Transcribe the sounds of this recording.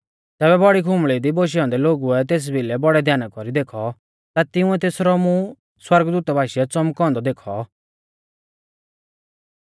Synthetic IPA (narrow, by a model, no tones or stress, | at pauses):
t̪ɛːbɛbɔɽikʰʊmɭid̪iboʃ̬iãːnd̪ɛloːɡuɛt̪̬eːs̬bʱilɛbɔɽɛd̪ʱjaːnakɔɾid̪eːkʰɔ | t̪at̪ɪũɛt̪eːsɾɔmũ | swɐɾɡd̪uːt̪bʱaːʃiɛt͡sɔmkɔ̃ːnd̪ɔd̪eːkʰɔ̰